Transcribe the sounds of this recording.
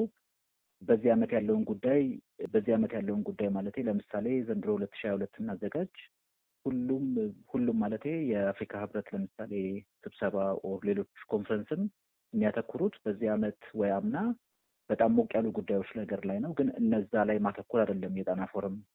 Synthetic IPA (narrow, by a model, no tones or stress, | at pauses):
bəzːihamət̪jalːəwnɡud̪ːaj | bəzːihamət̪jalːəwunɡud̪ːajmalət̪heləmɨsale̞zənd̪ɨɾo̞hulət̪ːɨ̥ʃiahulət̪ːɨnːazːəɡad͡ʒ | hulːumhulːumːalət̪je̞jɛafɾikʰahɨβɾət̪ləmɨsale̞sɨβsəβale̞lo̞t͡ʃːkʰo̞nfɾənsɨm | ɨmːijat̪ʰəkːuɾut̪b̥əzːihamət̪wɔjamna | b̥ət̪ʼamːokʼjalːuɡud̪ːajwo̞t͡ʃːləəɡəɾlajnəwɡɨnɨnːəzːalajmat̪ʰəkːulad̪əlːəmːjɛt̪ʼanafo̞ɾom